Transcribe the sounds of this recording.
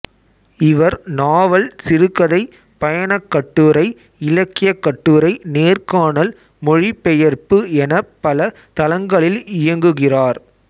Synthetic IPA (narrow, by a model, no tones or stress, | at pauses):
ɪʋɐɾnaːʋɐlsɪɾɯkːɐðɐɪ | pɐjɐɳɐkːɐʈːɯɾɐɪ | ɪlɐkːɪjɐkːɐʈːɯɾɐɪneːrkaːɳɐl | mɔɻipːɛjɐɾpɯɛnɐpːɐlɐ | t̪ɐlɐŋɡɐɭɪlɪjɐŋɡɯɣɪraːɾ